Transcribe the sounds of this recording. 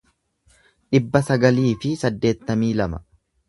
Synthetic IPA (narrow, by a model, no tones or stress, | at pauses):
ᶑɪbːɐsɐɡɐliːfɪsɐd̪ːe̞ːt̪ːɐmiːlɐmɐ